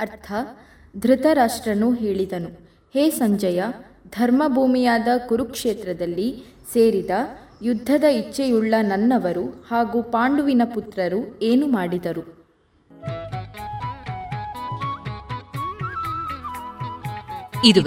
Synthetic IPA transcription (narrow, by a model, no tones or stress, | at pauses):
ɐɾt̪ʰɐ | d̪ʱɾɪt̪ɐɾaːʂʈɾɐnuɦeːɭid̪ɐnu | heːsɐɲd͡ʒɐjɐ | d̪ʱɐɾmɐbʱuːmijaːd̪ɐkuɾukʂeːt̪ɾɐd̪ɐlːi | seːɾid̪ɐjud̪ʱːɐd̪ɐit͡ʃːɛjuɭːɐnɐnːɐʋɐɾuhaːɡupaːɳɖuʋinɐput̪ɾɐɾueːnumaːɽid̪ɐɾu | id̪u